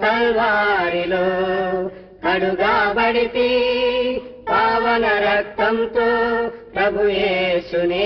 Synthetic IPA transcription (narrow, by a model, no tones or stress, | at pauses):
ɐɾʋaːɾiloː | kɐɽuɡaːbɐɽit̪i | bʱaːʋɐnɐɾɐk̚t̪ʰɐmt̪oːpɾɐbʱujeːsune